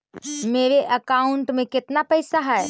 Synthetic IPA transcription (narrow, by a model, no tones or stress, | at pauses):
meːɾeʔəkaːʊɳʈmẽkɪt̪napəjsaɦɛ